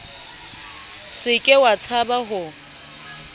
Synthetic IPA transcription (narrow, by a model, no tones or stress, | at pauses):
sɪkʼɪwat͡sʰabaɦʊ